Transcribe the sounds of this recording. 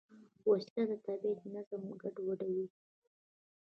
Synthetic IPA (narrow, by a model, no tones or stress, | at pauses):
wast̪ad̪ət̪abehnazamɡaɖwaɖawi